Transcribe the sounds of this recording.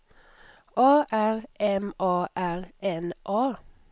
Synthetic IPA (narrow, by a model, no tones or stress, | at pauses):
ʔoːʔæʁʔɛmʔoːʔæʁɛnʔoː